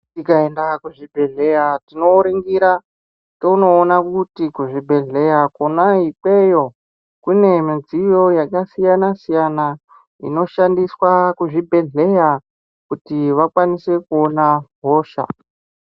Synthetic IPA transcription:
tikaendakuʐibʱe̞ɮe̞jatino̞uɾiŋɡiɾa | touno̞ːnakutikuʐibʱe̞ɮe̞jakonaipwejo̞ | kune̞mid͡zijo̞jakasijanasijana | ḭno̞ʃandiswakuʐibʱe̞ɮe̞ja | kutiʋakwanise̞kuonaɦo̞ːʃa̰

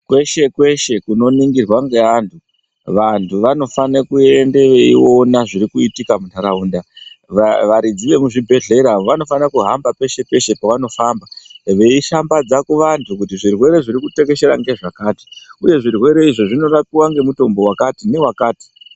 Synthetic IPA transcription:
kwe̞ʃe̞kwe̞ʃe̞kuno̞niŋɡirwaŋɡe̞antʰu | ʋantʰuʋano̞fanakue̞nde̞ʋe̞io̞naʐiɾikuitikamuntʰaɾauːnda | ʋaɾid͡ziʋe̞muʐibʱe̞ɮe̞ɾaʋoʋano̞fanakuɦambape̞ʃe̞pe̞ʃe̞paʋano̞faːmbaʋe̞iʃambad͡zakuʋantʰukutiʐirwe̞ɾe̞ʐiɾikute̞ɡe̞ʃe̞ɾa̰ŋɡe̞ʐakaːti̥uje̞ʐirwe̞ɾe̞iʐoʐino̞rap̚iwaŋɡe̞muto̞mbo̞wakatine̞wakaːti̥

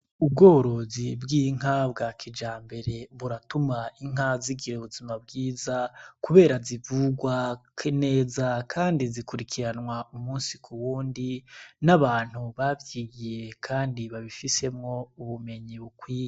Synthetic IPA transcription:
ub̚ɡo̞ːɾozibɡiːŋ̥ab̚ɡakʰid͡ʒaːmbe̞ɾe̞βuɾatumaiŋ̥ɦaziɡiɾeβuzimabɡiːzakuβe̞ːɾazivuɡwakʰene̞ːzakʰaːndizikuɾikʰiɾanwaumuːnsikʰuwuːndinaβaːn̥huβavjiːɡije̞kʰaːndiβaβifise̞mŋo̞uβume̞ɲiβukwiːje

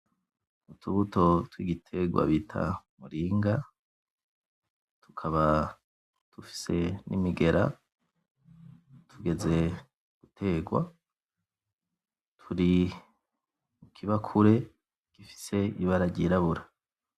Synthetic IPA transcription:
utʰuβuto̞twiːɡitʰe̞ɡwa̰βitʰa̰muɾiːŋɡa | tu̥kʰaβa | tufi̥se̞nʔḭmiɡe̞ɾa̰ | tʰuɡe̞ze̞ | ɡ̥utʰe̞ːɡwa | tʰuɾi | ukʰiβakʰuɾe̞ | ɡ̥ifi̥se̞iβaɾaɟiɾaβuɾa

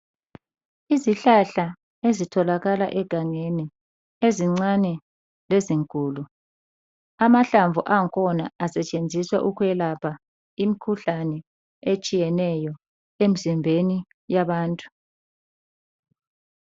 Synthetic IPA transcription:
iziɬaɬa | ezitʰɔlaɣala̰ʔɛɡ̥ʱaŋenɛ | eziŋ͡ǀanɛ | leziŋkʼuːlu | amaɬaɱvuʔaŋkʰɔnaasɛt͡ʃʼend͡zʱiswa̰ʔukuɛlapʰa | imikʰuɬanɛ | et͡ʃʼijɛnɛjɔ | em̩zimbʱeni | jaβaːntʼu̥

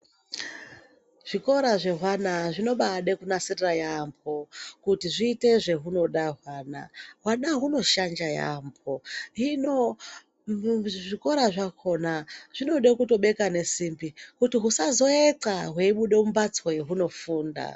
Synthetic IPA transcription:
ʐ̥iko̞ɾaʐe̞ɦwanaʐino̞ɓaɗe̞kunasirirajampʰokutiʐiːte̞ʐe̞ɦuno̞ɗaɦwaːna̰ɦwanaɦuno̞ʃand͡ʒaja̰mpʰo̞ɦino | ʐiko̞ɾaʐakʰo̞naʐ̥ino̞ɗe̞kuto̞ɓe̞kane̞simbikutiɦusazo̞eǀaɦweiɓuɗe̞umbat͡swojeɦuno̞fuːnda̰

